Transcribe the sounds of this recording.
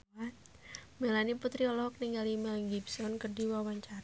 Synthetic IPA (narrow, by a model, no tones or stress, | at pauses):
a | melaniput̪ɾiɔlɔk̚niŋɡalimalɡibsɔnkərdiwawaɲt͡ʃaɾa